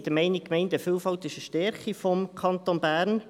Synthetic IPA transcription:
d̥əmɛɪnɪk̚kːmɛɪntəfølfɑlt̪ɪʃəʃtɛɾχifɔmkʰɑnt̪oːnbæːɾn

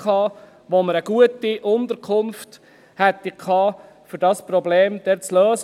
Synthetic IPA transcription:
ɑː | ʋoməɾəɡ̥uətiʔʊnt̪əɾkʰʊnft | hɛt̪ːikʰɑː | fɵɾdɑspɾɔbleːmd̥ɛt͡sløːs

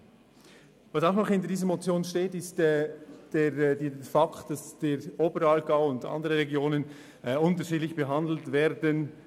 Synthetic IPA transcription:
vɑsaʊχnɔχhɪntədiːzəmot͡sjoːnʃteːtɪstɛːd̥edefɑktd̥asd̥eːɾʔoːbəɾɑlɡaʊʊndɑ̰ndəʁəʁeɡjoːnən | ɛʊntəʃiːdlɪçb̥əɦɑndl̩tvɛːdən

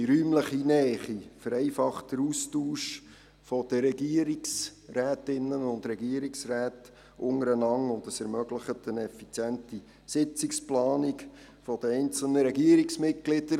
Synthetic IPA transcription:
iɾyːmləχinɛːχifəɾɛɪfɑχtəɾuːstuːʃ | fɔd̥əɾɛɡiəɾiksræːtɪnːənʊndɾɛɡiəɾiksræːt | ʔʊŋəɾənɑŋʊndəsɛɾmœɡləχətʰənɛfit͡sjænti | sɪt͡sɪksplɑːnik | fɔd̥əɛɪnt͡sl̩nəɾɛɡiəɾiksmɪt̚ɡ̥lɪd̥əɾ

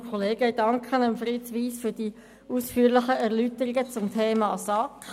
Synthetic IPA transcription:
kʰɔleːɡəd̥ɑŋkʰχənəmfɾitʋiːsfʏd̥i | uːsfyːɾlɪχəɛʁlytəɾɪɡət͡sʊmtʰeːmɑːsɑk

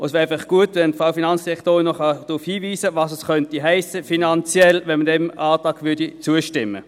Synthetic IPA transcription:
əsvɛːɪfɑχɡ̥uətʋɛndfaʊfinɑnt͡sd̥iʁɛktoːʁɪnnɔχɑd̥ʁuːfhiːviːsəvɑːsɛskœntiɦæɪsəfinɑnt͡sjɛlvɛnmədɛmɑːtɑːɡvʏɐdit͡suəʃtɪmːə̰

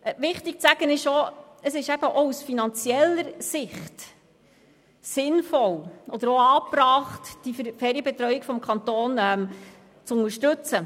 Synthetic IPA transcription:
ʋɪχtɪk̚t͡sæɡ̥ənɪʃoəsɪʃæb̥əʔɔusfinɑnt͡siɛləɾsɪχt | sɪnfɔlʔɔd̪əɾɔɑːprɑːχtd̥iffɛːɾiəbɛt̪ɾœɥɪkfɔmkʰɑnt̪oːnɛm | t͡sʊŋəʃtɵt͡sə

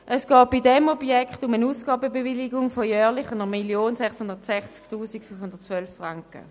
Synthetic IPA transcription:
ʔəsɡ̥ɔːt̚b̥idɛmɔbjɛkχtʊmənuːsɡ̥ɑːbəbeviliɡʊŋfojœːʁlɪχənəmiljoːnsɛχshʊndətsɛχt͡sktʰuːsikfynfhʊndətt͡sʋœlfʁaŋkə̰

